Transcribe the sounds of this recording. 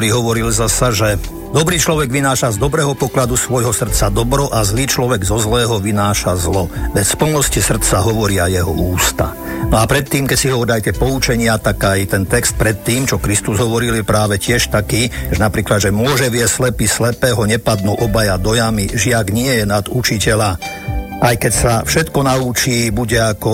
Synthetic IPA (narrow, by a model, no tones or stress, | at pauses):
ɾiɦɔʋɔɾilzasaʒɛ | d̪ɔbɾiːt͡ʃlɔʋɛɡʋinaːʃazd̪ɔbɾɛːɦɔpɔklad̪usʋɔjɦɔsr̩t̪t͡sad̪ɔbɾɔʔazliːt͡ʃlɔʋɛɡzɔzlɛːɦɔʋinaːʃazlɔʋɛt̪spl̩nɔscisr̩t̪t͡saɦɔʋɔɾɪajɛɦɔ̰uːst̪a̰ | nɔapɾɛt̪ːiːmkɛcsiɦɔʋɔɾilajt̪ɛpɔut͡ʃɛɲɪat̪akajt̪ɛnt̪ɛkst̪̚pɾɛt̪ːiːmt͡ʃɔkɾist̪uzɦɔʋɔɾiljɛpɾaːʋɛcɪɛʃt̪akiːɛnapɾiːklad̪ʒɛmʊɔʒɛʋɪɛslɛpislɛpɛːɦɔɲɛpad̪̚nuʔɔbajad̪ɔjamiʒɪaɡɲɪɛjɛnad̪ut͡ʃicɛla | ajkɛcsafʃɛt̪kɔnaut͡ʃiːbuɟɛakɔ